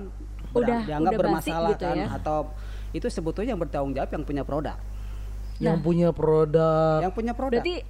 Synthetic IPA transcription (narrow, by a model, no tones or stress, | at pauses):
n | bdadiaŋɡapbərmasalahk̪anat̪aw | it̪usəbut̪uɲajaŋbərt̪aʊŋd͡ʒawapjaŋpuɲapɾoda̰k | jaŋpuɲapɾodaaŋpuɲapɾodat̪i